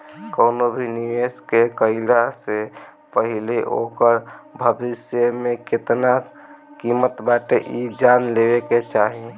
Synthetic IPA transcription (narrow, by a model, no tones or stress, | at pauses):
kəʊnobʱiniʋeskekəɪlase | pəɦileʔokəɾbʱəbisjəmeket̪na | kimət̪baʈeʔid͡ʒanlebeket͡ʃaɦi